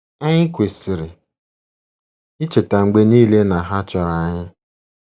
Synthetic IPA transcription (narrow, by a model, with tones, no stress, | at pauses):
a˦ɲɪ˦kʷe˨sɪ˨ɾɪ˨ | ɪ˦t͡ʃe˨ta˨ŋ͡m̩˨ɡ͡be˦niː˦le˦na˨ɦa˦t͡ʃɔ˨ɾa˨a˦˨ɲɪ˦